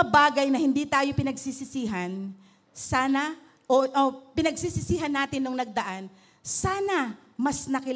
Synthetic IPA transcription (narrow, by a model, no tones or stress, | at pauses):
ɐbaːɡɐjnɐhɪnd̪it̪aːjo̞pɪnɐɡsisɪsiːɦɐn | saːnɐ | ʔoʔopɪnɐɡsisɪsiːɦɐnːaːt̪ɪnːoŋnɐɡ̚d̪ɐʔan | saːnɐ | mɐsnɐkɪ